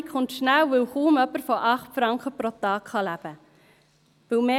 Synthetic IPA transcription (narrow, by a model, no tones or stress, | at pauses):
kʰχʊntʃnæwʋɪlhuːmœpəɾfoʔɑχtfɾɑŋkχəpɾot̪ɑːkχɑlæb̥ə | ʋɪlmeː